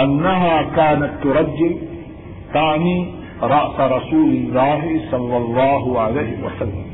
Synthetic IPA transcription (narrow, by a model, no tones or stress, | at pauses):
ʔanːaɦaːkaːnat̪ːʊɾˤɑd͡ʒːɪl | t̪aʕniː | ɾˤɑʔsaɾˤɑsuːlɪlːaːɦɪsˤɑlːɑlˤːɑːɦʊʕalajhɪwa̰salːa̰m